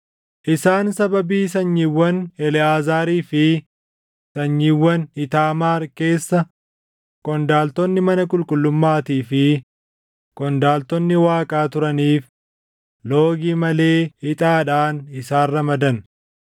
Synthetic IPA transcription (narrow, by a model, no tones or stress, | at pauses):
ʔɪsaːnsɐbɐbiːs̬ɐɲːɪwːɐnɛlɪaːzaːɾiːfɪ | sɐɲːiwːɐnɪt̪aːmaːɾke̞ːsːɐ | kɔnd̪aːlt̪ɔnːɪmɐnɐkʼʊlkʼʊlːʊmːaːt̪iːfɪ | kʼɔnd̪aːlt̪ɔnːɪwaːkʼaːt̪ʊɾɐniːf | loːɡiːmɐle̞ːhɪt̪ʼaːᶑaːnɪsaːrːɐmɐd̪ɐn